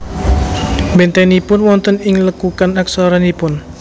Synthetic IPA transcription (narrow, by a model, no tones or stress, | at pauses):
bɛnt̪ɛnipʊnwɔnt̪ənɪŋləkukanaksɔɾanipʊn